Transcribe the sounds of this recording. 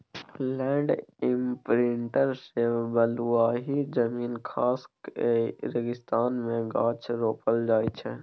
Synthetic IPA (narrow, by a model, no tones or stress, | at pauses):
lɛ̃ːɳɖɪ̃mpɾɪɳʈəɾseːbəluaːɦid͡ʒəmiːnkʰaːskeɾəɡɪst̪aːnmẽɡãːt͡ʃʰɾoːpəld͡ʒaːit͡ʃʰɛ